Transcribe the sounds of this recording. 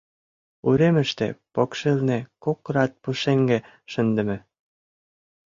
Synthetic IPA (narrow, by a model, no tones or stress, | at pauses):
uɾemə̆ʃt̪ḛpokʃelnĕkokrɑt̪̚puʃeŋɡĕ | ʃə̆nd̪ə̆mĕ